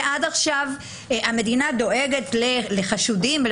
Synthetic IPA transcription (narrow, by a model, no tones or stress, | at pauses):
ʔadaχʃav | ame̞dinad̪o̞ʔeɡe̞tleleχaʃudiml